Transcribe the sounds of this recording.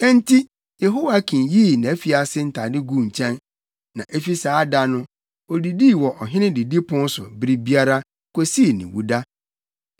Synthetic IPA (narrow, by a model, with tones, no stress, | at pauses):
ɛ̃˦n˦tʰi˦ | jɛ˨ɦo˦wa˦kʰĩ˨njiː˦˨nã˨e˦fi˨a˨sɪ˦n̩˨tʰa˨dɪ˦ɡu˦˨ɲ̩˨t͡ɕʰɛ̃˦nː | ã˨ʔe˦fi˦saː˨˦da˦nʊ̃˦ | ɔ˨di˨di˦˨wɔ˨ʔɔ˨ɦɪ̃˦nɪ̃˦di˨di˦pʰʊ̃˦n˦sʊ̰˨bɾi˦bi˦a˦ɾa˦ | ko˨si˦˨nḭ̃˨wṵ˦da˦